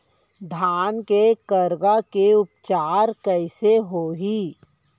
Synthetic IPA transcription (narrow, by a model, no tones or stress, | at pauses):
d̪ʱaːnkekəɾɡakeʊp̚t͡ʃaːɾkɛɪseɦoːɦiː